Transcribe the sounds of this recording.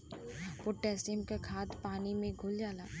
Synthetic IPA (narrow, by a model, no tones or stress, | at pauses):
pʊʈːɛːsɪmkakʰaːt̪paːnimẽɡʱʊld͡ʒaːlaː